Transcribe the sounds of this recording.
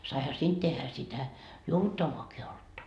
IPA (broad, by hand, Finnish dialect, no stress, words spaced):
sɑihɑ siːnt tehːæ sitæ juoʋutːɑʋːɑːki oltːɑ